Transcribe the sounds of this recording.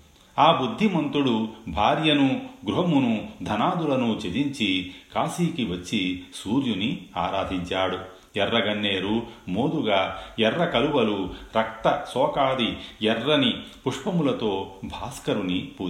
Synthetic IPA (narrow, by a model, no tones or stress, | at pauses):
aːbud̪ʱːimɐnt̪uɽubʱaːɾjɐnuɡɾuɦɐmunud̪ʱɐnaːd̪ulɐnut͡ʃed͡ʒiɲt͡ʃikaːsiːkiʋɐt͡ʃːisuːɾjunia̰ːɾaːd̪ʱiɲt͡ʃaːɽu | ɛrːɐɡɐɳːeːɾumoːd̪uɡaːɛrːɐkɐluʋɐluɾɐk̚t̪ɐsɔːkaːd̪iɛrːɐnipuʂpɐmulɐt̪o̞ːbʱaːskɐɾunipuː